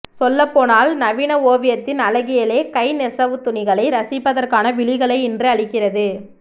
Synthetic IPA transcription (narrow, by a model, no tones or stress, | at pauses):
sɔlːɐpːoːnaːlnɐʋɪnɐoːʋɪjɐt̪ːɪnɐlɐɣɪjɐleːkɐɪnɛsɐʋɯt̪ʊnɪɣɐɭɐɪɾɐsɪpːɐðɐrkaːnɐʋɪɭɪɣɐɭɐɪɪndrɯɐɭɪkːɪrɐðɯ